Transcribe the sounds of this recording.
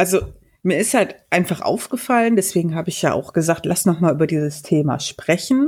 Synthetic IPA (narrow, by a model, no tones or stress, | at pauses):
ʔalzo | miːɐɪsthaltʔaɪnfaχʔa̰ʊfɡ̥əfaləndɛsv̥eːɡŋ̩ɦaːbəɪçja̰ːʔa̰ʊxɡ̥əzaːk̚tlasnɔχmaːlʔyːbɐdiːzəstʰeːma̰ʃpʁ̥ɛçn̩